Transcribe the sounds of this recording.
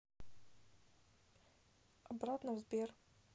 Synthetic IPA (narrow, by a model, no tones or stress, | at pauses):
ɐbɾat̪nəvzbʲer